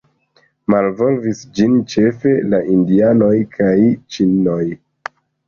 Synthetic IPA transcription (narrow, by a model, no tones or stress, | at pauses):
malvo̞lvisd͡ʒint͡ʃe̞fe̞laʔindiano̞jkʰajt͡ʃino̞j